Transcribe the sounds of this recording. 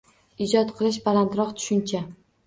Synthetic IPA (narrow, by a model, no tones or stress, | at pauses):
ɪd͡ʒɒt̪qʰɨlˠɪʃ̬balant̪ɾɒqt̪ʰʊ̥ʃʊnt͡ʃʰa